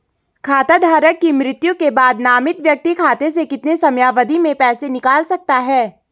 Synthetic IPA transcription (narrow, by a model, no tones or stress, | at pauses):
kʰaːt̪ad̪ʱaːɾəkːimɾɪt̪jũkebaːd̪naːmɪt̪ʋjɐk̚t̪ikʰaːt̪es̬ekɪt̪nesɐmjaːʋəd̪ʱimẽpɛːsenɪkaːlsɐk̚t̪aɦɛː